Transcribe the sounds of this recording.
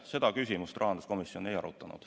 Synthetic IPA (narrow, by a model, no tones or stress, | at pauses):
se̞d̪ɑkysʲimust̪rɑɦɑnd̪usko̞misjo̞ne̞jɑɾut̪ːˑɑnṵd̪̥